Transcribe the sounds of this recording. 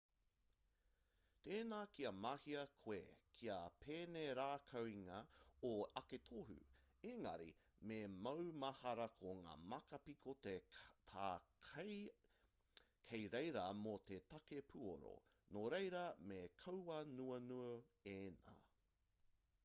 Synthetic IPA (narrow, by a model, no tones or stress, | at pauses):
t̪eːnaːkiɐmɐhiɐkʰwḛkʰiɐpʰeːneɾaːkʰɐwiŋɐoɐket̪ʰoɦʉ̰ | eŋɐ̰ɾḭ | memɐwmɐhɐɾɐkʰoŋa̰ːmɐkɐpikʰotetʰaː | kʰejɾejɾɐmot̪etɐkepʰuo̰ɾo̰noɾejɾɐmekʰɐwwɐnuɐnuɐena̰ː